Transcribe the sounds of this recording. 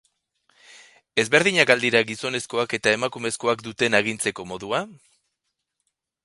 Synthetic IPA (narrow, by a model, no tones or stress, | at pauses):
e̞zβe̞ɾð̞iɲakald̪iɾaɣiso̞ne̞sko̞ake̞t̪ae̞makume̞sko̞akd̪ut̪e̞naɣ̞int͡se̞ko̞mo̞ðua